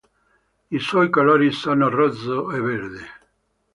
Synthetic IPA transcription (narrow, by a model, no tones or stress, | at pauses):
isɔjkalɔɾisanarɔzoeβeɾðe